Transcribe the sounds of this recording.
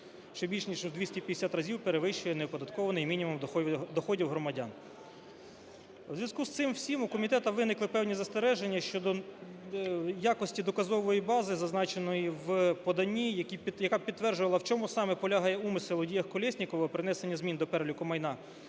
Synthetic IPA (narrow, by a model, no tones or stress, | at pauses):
ʃt͡ʃɔbʲilʲʃnʲiʒuzd̪ʋʲisʲtʲipʲjd̪esʲat̪rɐzʲiwpeɾeʋɪʃt͡ʃʊjɛneɔpɔd̪ɐt̪kɔʋɐnɔjimʲinʲimumd̪ɔxɔdʲiwɦɾɔmɐdʲɑ̰n | wzʲʋjɐzkust̪sɪmwsʲimʊkɔmʲit̪ɛt̪ɐʋɪnɪklˠɪpɛwnʲizɐst̪eɾɛʒenʲːɐʃt͡ʃɔd̪ɔ | jakɔsʲtʲid̪ɔkɐzɔʋɔjibɑzɪzɐznɑt͡ʃenɔjiwpɔd̪ɐnʲːijɐkʲijɐkɑpʲid̪ːʋɛrd͡ʒʊʋɐlˠɐwt͡ʃɔmusɑmɛpɔlʲaɦɑjɛumɪsɪlˠɔdʲijɐhkɔlʲɛsʲnʲikɔʋɐpɾɪnɛsenʲːɐzʲmʲind̪ɔpɛɾlʲʊkɔmɐjnɑ